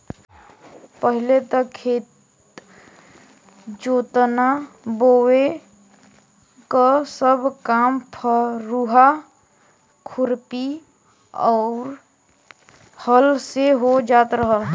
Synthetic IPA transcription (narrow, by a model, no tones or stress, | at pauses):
pəɦilet̪əkʰeːt̪ | d͡ʒoːt̪nabowe | kasəbʱkampʰəɾuɦa | kʰʊɾpi | ɔʊɾ | həlseɦod͡ʒaːt̪ɾəɦəl